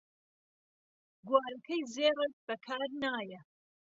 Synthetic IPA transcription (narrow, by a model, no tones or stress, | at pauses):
ɡwaːɾɐkʰɐjzeːrek̚bɐkʰaːɾnaːjɐ